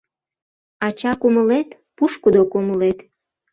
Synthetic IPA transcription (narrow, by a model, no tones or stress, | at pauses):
ɑt͡ɕɑkuməlet̪ | puʃkud̪okoməlet̪